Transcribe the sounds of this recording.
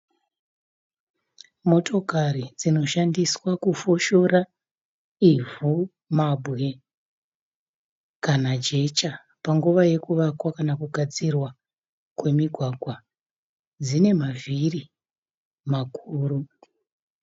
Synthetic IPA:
mo̞to̞karid͡zino̞ʃandiswakufo̞ʃo̞ɾa | ivu | mabʱɣe̞ | kanad͡ʒe̞t͡ʃa | paŋɡuʋaje̞kuʋakwakanakuɡʱad͡zirwa | kwe̞miɡʱwaɡwa | d͡zine̞maviri | makʰuːɾu

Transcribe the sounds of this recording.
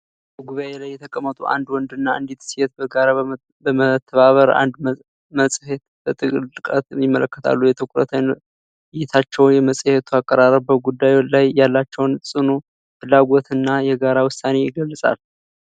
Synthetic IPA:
bəɡuβaelajːɛt̪ʰəkʼəmːət̪ʼuʔa̰nd̪wɔnd̪ɨnːaɨ̰nd̪et̪sijet̪̚bəɡaɾa | bəmət̪ʰːəβaβəɾa̰nd̪ | məsʼhet̪bət̪ʼɨlɨkʼət̪mimːə̰ləkːət̪ʰa̰lːujɛt̪ʰəkʷʼɾə̰t̪ʰən | jɪt̪ʰat͡ʃːɛwnjɛməsʼhet̪ʰuakʼːəɾaɾəbəɡud̪ːajlajjalːat͡ʃːɛwnsʼɨnu | fɨlːaɡo̞t̪ʰɨnːajɛɡaɾawʊsane̞jɪɡəlːsʼa̰l

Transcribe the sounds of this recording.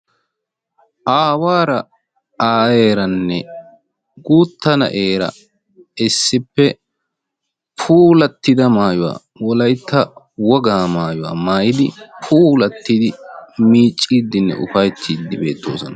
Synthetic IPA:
ʔaːwaːɾɐ | aːeːɾɐnːɛ | ɡuːt̪ːɐnɐ̰ʔe̞ːɾɐ̰ | ɪsːɪpːɛ | pʰuːlɐt̪ːɪd̪ɐmaːjʊwa̰ː | wɔlɐjt̪ʰːɐ | wɔɡaːmaːjʊwa̰ːmaːjɪd̪ɪpʰuːlɐt̪ːɪd̪ɪmiːt͡ʃʼːiːd̪ːɪnːɛ̰ʔʊfɐjt̪ʰːiːd̪ːɪbe̞ːt̪ːo̞̰ːsɔnɐ

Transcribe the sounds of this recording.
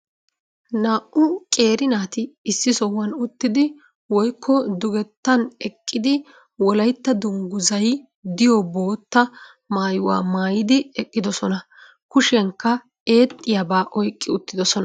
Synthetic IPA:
naːʔʔʊkʼe̞ːɾɪnaːt̪ɪːsːɪsɔwɐnʊt̪ːɪd̪ɪ | wɔjkʰːɔd̪ʊɡɛt̪ːɐnɛkʼːɪd̪ɪ | wɔlɐjt̪ːɐd̪ʊŋɡʊzɐj | d̪ɪjɔbo̞ːt̪ːɐ | maːjʊwa̰ːmaːjɪd̪ɪɛkʼːɪd̪ɔsɔnɐ | kʊʃɛŋkːɐ | e̞ːt̪ʼːɪjabaːʔɔjkʼːɪʊt̪ːɪd̪ɔsɔn

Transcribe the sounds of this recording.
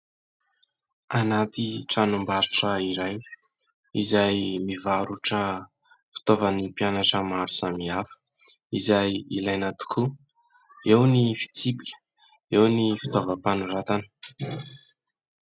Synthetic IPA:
anat̪iʈ͡ʂanumbaɾu̥ʈ͡ʂəiɾaj | izajmivaɾuʈ͡ʂə | fi̥t̪ovənipianaʈ͡ʂəmaɾusamiafə̥ | izajilajnat̪u̥kʰu | ewnifi̥t͡sibikʲə̥ | ewnifi̥t̪ovəpanurat̪anə̥

